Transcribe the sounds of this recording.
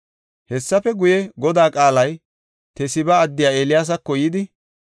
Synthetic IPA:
hɛsːɐfɛɡʊjɛɡɔd̪aːkʼaːlɐj | t̪ɛsɪbɐːd̪ːɪjaːeːlɪjaːs̬ɐkːɔjɪd̪ɪ

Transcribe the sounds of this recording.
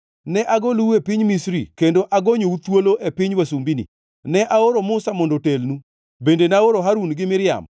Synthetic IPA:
nɛʔaɡoluepiɲmisɾikendoʔaɡoɲout̪woloʔepɪɲwasumbinḭ | nɛʔaoɾomʊsamɔndotelnu | bendenaoɾoɦaɾunɡɪmɪɾɪja̰m

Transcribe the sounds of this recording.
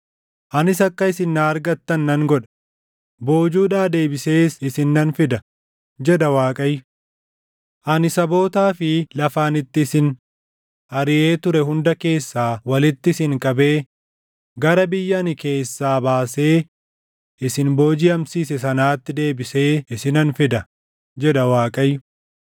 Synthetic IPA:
ʔɐnɪs̬ɐkːɐɪsɪnːaːɐɾɡɐt̪ːɐnːɐŋɡɔᶑɐ̥ | bo̞ːd͡ʒuːᶑaːd̪e̞ːbɪse̞ːsɪsɪnːɐnfɪd̪ɐ | d͡ʒɛᶑɐwaːkʼɐj | ʔɐnɪsɐbo̞ːt̪aːfɪlɐfaːnɪt̪ːɪːsɪn | ʔɐɾɪʔe̞ːt̪ʊɾɛhʊnd̪ɐke̞ːsːaːwɐlɪt̪ːɪsɪŋkʼɐbe̞ː | ɡɐɾɐbɪjːɐnɪke̞ːsːaːbaːse̞ː | ʔɪsɪnbo̞ːd͡ʒɪɐmsiːsɛsɐnaːt̪ːɪd̪e̞ːbɪse̞ːɪsɪnɐnfɪd̪ɐ | d͡ʒɛᶑɐwaːkʼɐjʊ

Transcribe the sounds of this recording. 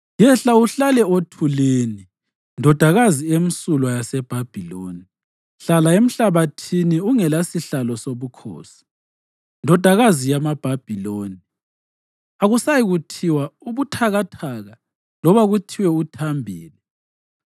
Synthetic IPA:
jɛɬauɬalɛotʰuleːni | ndʱɔd̥ʱaɣaziem̩sulwajasɛb̥ʱab̥ʱiloːni | ɬalaem̩ɬaβatʰiniuŋɛlasiɬalɔsoβukʰo̰ːsi̥ | ndʱɔd̥ʱaɣazijamab̥ʱab̥ʱiloni | aɣusajiɣutʰiwauβutʰaɣatʰaɣa | lɔβaɣutʰiwɛutʰambʱiːli

